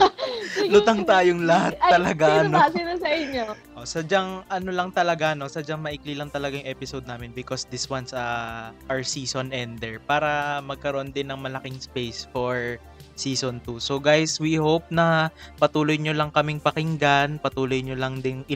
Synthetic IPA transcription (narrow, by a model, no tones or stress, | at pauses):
lʊt̪aŋt̪aːjoŋlɐhat̪̚ːɐlɐɡanoinasɐɪɲoʔʔosɐd͡ʒaŋʔɐnolɐŋt̪ɐlɐɡano̞sɐd͡ʒaŋmɐʔiklilɐŋt̪ɐlɐɡajʊŋʔɛːpɪsowd̪̚aːmɪnbɪkosd̪ɪswansɐʔɐɹsiːsonʔɛnd̪ɛɹpaːɾɐmɐɡ̚kɐɾoʔond̪ɪnːɐŋmɐlɐkɪŋspejsfoɹ | siːsont̪uso̞ɡajswihowp̚nɐpɐt̪uːlojɲolɐŋkɐmɪŋpɐkɪŋɡanpɐt̪uːlojɲolɐŋd̪ɪnʔɪ